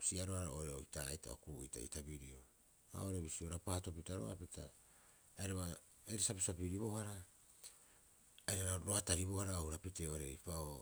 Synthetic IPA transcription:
siaɾoaɾaoɾeoitajta̰o̰kujta̰ḭtabiɾio | a̰oɾe̞βisioɾapaːto̞pitaɾo̰a̰pitʰa̰ː | eɾaβa | eɾesapisapiɾiβo̞haɾa | aeɾaɾaɾoataɾiβo̞haɾaohuɾapiteoɾe̞ipao

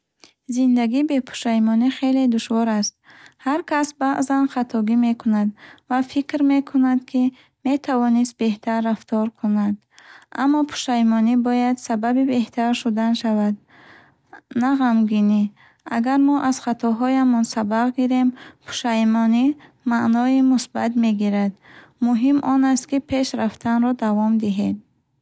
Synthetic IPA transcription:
zind̪aɡiːbe̞pʰu̥ʃajmɔniχe̞le̞d̪uʃvɔɾast̪̚ | haɾkʰasbaʔzanχat̪ʰɔɡimekʰunad̪vafikɾme̞kʰunad̪kʰi | me̞t̪ʰavɔnist̪̚be̞ht̪ʰarːaft̪ʰɔɾkʰunad̪ | ʔa̰mːɔpʰu̥ʃajmɔnibɔjad̪sababibe̞ht̪ʰaɾʃud̪anʃavad̪ | naʁamɡini | aɡaɾmɔʔaz̥χat̪ʰɔɦɔjamɔnsabaʁɡiɾe̞mpʰu̥ʃajmɔni | maʔnɔimusbat̪me̞ɡiɾad̪ | muɦimʔɔnast̪kipʰe̞ʃɾaft̪ʰanɾɔd̪avɔmd̪iɦed̪̚

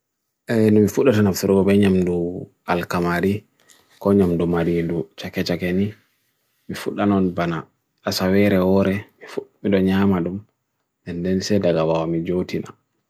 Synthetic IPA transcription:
ʔɛnɔmifuɗːatanafuɾɡɔbɛɲamdu | alkamaɾi | kɔɲamdumaɾindut͡ʃakɛt͡ʃakɛni | mifuɗːanɔnbanaː | sawɛɾɛwɔɾɛmifuɗmiɗɔɲamaɗum | ʔɛndɛnsɛdaɡawawamid͡ʒotina̰

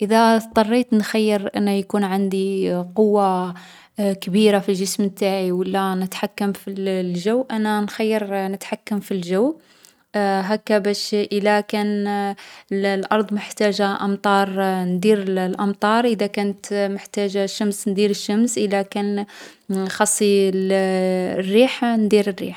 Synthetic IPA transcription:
ʔəðæt̪ˤɑrˤːit̪nxajːəɾʔə̰nːæjkunʕand̪iqowːa | kbiɾafilʒəsmt̪ːaʕiwəlːænət̪ħakːəmfillʒəwʔænænxajːəɾnət̪ħakːəmfilʒæw | ɦækːæbæʃʔəlækæn | llʔɑɾˤd̪ˤməħt̪æʒaʔɑmt̪ˤɑɾˤnd̪iɾəllʔɑmt̪ˤɑɾˤʔəd̪ækænət̪məħt̪æʒaʃːæmsnd̪iɾəʃːəmsʔəlːækæn | xɑsˤːil | rːiħnd̪iɾərːḭħ

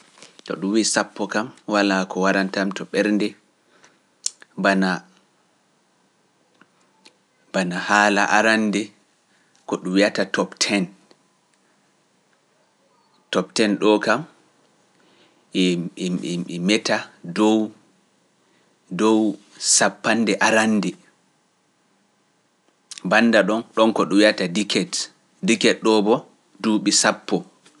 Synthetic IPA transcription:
tɔ̰ɗumwisapːɔkamwalakɔwaɾantamtɔɓɛɾndɛ | bana | banahaːlaʔaɾandɛ | kɔɗumwijatatɔptʰɛn | tɔp̚tɛnɗɔkam | ɛ | mɛtadɔw | dɔw | sapːandɛʔaɾandɛ | banːdaɗɔnɗɔnkɔɗuwiatadikɛt | dikɛɗɔbɔ | duːɓisapːɔ

